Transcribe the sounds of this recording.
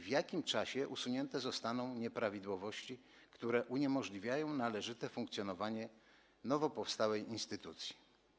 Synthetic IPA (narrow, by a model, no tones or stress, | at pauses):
vjakʲimt͡ʂaɕɛʔusuɲɛnt̪ɛzɔst̪anɔ̃w̃ɲɛpɾavʲid̪wɔvɔɕt͡ɕi | kt̪uɾɛʔuɲɛmɔʐlʲivʲjajɔ̃w̃nalɛʐɘt̪ɛfuŋkt̪sʲjɔnɔvaɲɛ | nɔvɔpɔfst̪awɛjinst̪ɘt̪ut̪sʲji̥